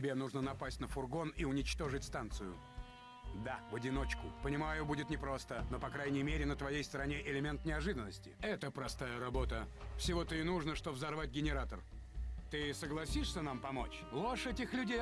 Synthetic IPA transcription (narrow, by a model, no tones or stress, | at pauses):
tʲɪbʲenuʐnənɐpasʲtʲnəfʊrɡo̞niʊnʲɪt͡ɕt̪o̞ʐɨtʲst̪ant̪sɨjʊ̰ | d̪avədʲɪno̞t͡ɕkʊpənʲɪmajʊbudʲɪt̪nʲɪpɾo̞st̪əno̞pɐkɾajnʲɪjmʲeɾʲɪnət̪vɐjejst̪əɾɐnʲeʔɪlʲɪmʲe̞nt̪nʲɪɐʐɨd̪ənːəsʲtʲɪ̰ɛt̪əpɾɐst̪ajəɾɐbo̞t̪əfsʲɪvo̞t̪əɪnuʐnəʂt̪o̞vzɐrvat̚ʲɡʲɪnʲɪɾat̪ər | t̪ɨsəɡlˠɐsʲiʂsʲənampɐmo̞̰t͡ɕ | lˠoʂɛtʲɪxlʲʊdʲe